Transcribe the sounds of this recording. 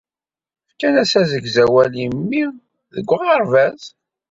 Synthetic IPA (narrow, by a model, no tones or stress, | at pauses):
fkːænæsæzəɡzæwælimːi | ðəɡʷːʁɑɾˤvæz